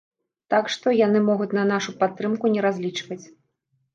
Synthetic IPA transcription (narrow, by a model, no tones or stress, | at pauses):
t̪akʂt̪ɔjanɨmɔɣut͡sʲnɐnaʂupat̪ːɾɨmkunʲɛɾazʲlʲit͡ʂvɐt͡sʲ